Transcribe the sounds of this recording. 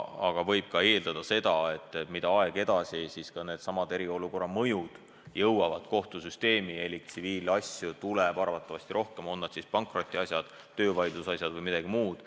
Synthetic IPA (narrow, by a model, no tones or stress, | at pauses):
ɑ̰ɡ̥ɑvɤ̞jb̥̚kɑe̞ːld̪̥ɑd̪ɑse̞d̪ɑe̞t̪ːˑemid̪̥ɑɑeɡ̥e̞d̪̥ɑsʲisiskɑne̞ːd̪sɑmɑd̪e̞ɾio̞luko̞rːɑmɤjud̪̥ | jɤwwɑvɑd̪̥ko̞ht̪usyst̪e̞ːmie̞likt̪siviːlɑsʲjut̪ulɛbɑrvɑt̪ːˑɑvɑsʲt̪iɾo̞hke̞mo̞nːɑd̪̥sispɑŋkˑro̞t̪ʲːˑiɑsjɑd̪̥ | t̪ø̞ːvɑjd̪lusɑsjɑd̪vɤjmid̪̥ɑɡ̥imuːd̪̥